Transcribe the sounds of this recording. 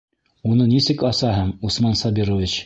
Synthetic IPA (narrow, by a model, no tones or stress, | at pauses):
unɤnisɘkɑsɑɦɤɴusmɑnsɑbiɾovʲit͡ɕ